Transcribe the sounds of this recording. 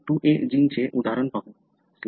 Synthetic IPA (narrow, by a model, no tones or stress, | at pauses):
ʈuʔed͡ʑint͡ɕʰeʔud̪ʱaɾonpabo | s